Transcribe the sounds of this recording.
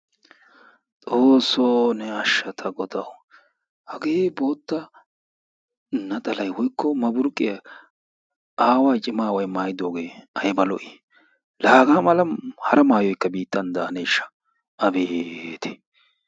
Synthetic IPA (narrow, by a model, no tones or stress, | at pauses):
tʼoːsːoːnɛɐʃːɐt̪ʰɐɡɔd̪ɐw | hɐɡeːbo̞ːt̪ːɐ | nɐt̪ʼɐlɐjwɔjkʰːɔmɐbʊɾkʼːɪjɐ | aːwajt͡ʃʼɪmaːwɐjmaːjɪd̪o̞ːɡe̞ːɐjbɐlɔʔɪ | laːɡaːmɐlɐhɐɾɐmaːjɔjkːɐbiːt̪ːɐnd̪aːnɛɪʃːɐ̥ | ɐbeːt̪ɛ̥